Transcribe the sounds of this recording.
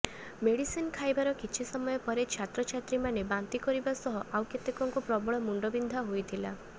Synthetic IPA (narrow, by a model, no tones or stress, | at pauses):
meɽisinkʰajbaɾɔkit͡ʃʰisɔmɔjɔpɔɾet͡ʃʰat̪ɾɔt͡ʃʰat̪ɾimanebant̪ikɔɾibasɔɦɔʔawket̪ekɔŋkupɾɔbɔɭɔmuɳɖɔbind̪ʱaɦojt̪ʰila